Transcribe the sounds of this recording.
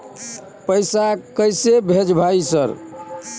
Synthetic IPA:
pəjsakəjsebʱed͡ʒbʱaisəɾ

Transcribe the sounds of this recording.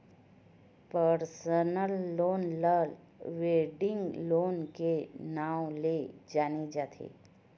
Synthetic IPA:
pəɾsənəlːonləl | ʋeɖɪ̃ŋɡlonkenawled͡ʒaned͡ʒat̪ʰḛ

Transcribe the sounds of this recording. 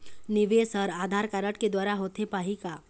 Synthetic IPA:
nɪʋesəɾaːd̪ʱaːɾkaːɾəʈked̪waːɾaɦoːt̪epaːɦika

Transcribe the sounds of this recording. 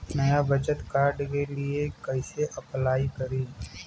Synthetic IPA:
nɐjabʱət͡ʃət̪kaːɾɖkeliekɐɪseʔɐplaːikɐɾiː

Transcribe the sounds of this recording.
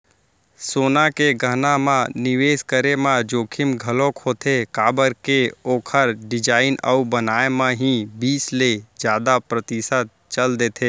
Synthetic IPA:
soːnakeɡʱənamãnɪʋeːskəɾemãd͡ʒoːkʰɪmɡʱəlokoːt̪ʰekaːbəɾkeoːkʰəɾɖɪd͡ʒaːɪnə̰ubənaːemãɦĩbiːsled͡ʒjaːd̪apɾət̪ɪsət̪̚ | t͡ʃəld̪eːt̪ʰeː

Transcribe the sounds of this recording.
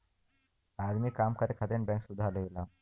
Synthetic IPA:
ad̪mikamkaɾekʰat̪enbɛŋkʃud̪ʱaloilam

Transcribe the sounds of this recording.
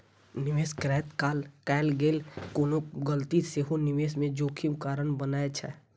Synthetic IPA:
nɪʋeːskɾɛːt̪kaːlkɛːlɡeːlkoːnokɡəlt̪iseɦonɪʋeːsmẽd͡ʒoːkʰimkaːɾənbənaːet͡ʃʰɛ̰

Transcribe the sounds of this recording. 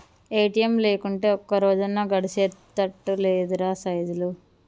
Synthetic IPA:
eːʈijemle̞ːkuɳʈe̞ːɔkːɐɾoːd͡ʒɐnaɡɐɽiseːt̪ɐʈːuleːd̪uɾaːsɐjd̪ulu

